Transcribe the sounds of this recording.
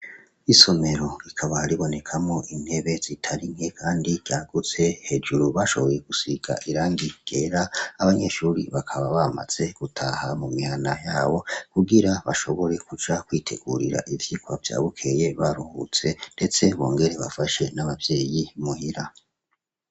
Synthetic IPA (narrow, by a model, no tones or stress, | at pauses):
iso̞me̞ɾo̞ikʰaβahaɾiβo̞ne̞kʰamŋo̞ʔin̥e̞βe̞z̥itʰaɾim̥he̞kʰaːndiɾɟaɡut͡se̞he̞d͡ʒuɾuβaʃo̞̰βo̞je̞ɡ̥usiɡ̥a̰ʔiɾaːŋɡiɡ̥eːɾaːβaɲe̞ːʃuːɾḭβakʰaβaβama̰z̥e̞ɡ̥utʰahamumihanajaːβo̞kuɡiɾaβaʃo̞βo̞ɾe̞kud͡ʒakwiːtʰe̞ɡṵɾiɾa̰ʔivjikwavja̰ːβukʰe̞je̞βaɾuhṵt͡se̞nde̞t͡se̞βo̰ːŋɡe̞ɾe̞βa̰faʃe̞naβavje̞ːjimuhiɾa